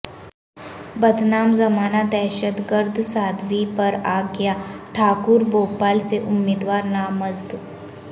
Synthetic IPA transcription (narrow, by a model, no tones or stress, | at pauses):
bəd̪ʱnaːmzɐmaːnad̪ɛːʃət̪ɡəɾd̪ʱsaːd̪ʱʋipəɾaːɡjaʈʰaːkuɾboːpaːlseʔʊmːeːd̪ʋaːɾnaːməzd̪